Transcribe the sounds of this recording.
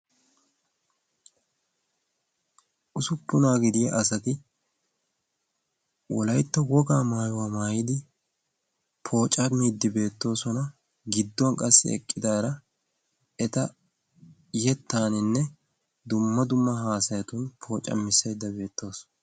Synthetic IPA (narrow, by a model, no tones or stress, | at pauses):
ʔʊsʊpːʊnaːɡɪd̪ɪjɐʔɐsɐt̪ɪ | wɔ̰lɐjt̪ːɔwɔɡaːmaːjwaːmaːjɪd̪ɪ | pʰo̞ːt͡ʃʼɐmiːd̪ːɪbe̞ːt̪ːo̞ːsɔnɐ | ɡɪd̪ːɔnkʼɐsːɪ̰ɛ̰kʼːɪd̪aːɾɐ | ɛt̪ɐ | jɛt̪ːaːnɪnːɛ | d̪ʊmːɐd̪ʊmːɐɦaːsɐjɐt̪ʊnpʰo̞ːt͡ʃʼɐ̰mːɪsejd̪ːɐbe̞ːt̪ːo̞ːsɔ